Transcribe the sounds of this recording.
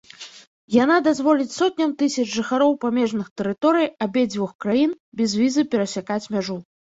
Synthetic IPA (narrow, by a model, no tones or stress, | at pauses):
janad̪azvɔlʲit͡sʲsɔt̪̚ʲnʲɐmt̪ɨsʲɐd͡ʒʐɨxaɾɔwpamʲɛʐnɨxt̪ɛɾɨt̪ɔɾɨjabʲɛd͡zʲvʲɔxkɾajin | bʲɛzvʲizɨpʲɛɾɐsʲakat͡sʲmʲaʐu